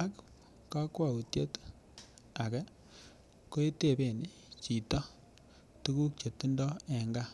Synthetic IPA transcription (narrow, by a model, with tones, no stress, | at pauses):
a˦k | ka˦kwa˦˨u˨tje˦t | a˨kɛ˦ | ko˦e˦te˦˨be˨ni˦ | t͡ʃi˨tɔ˦ | tu˦ku˦k̚t͡ʃe˨tu˦ndɔ˦ɛ˨ŋɡa˦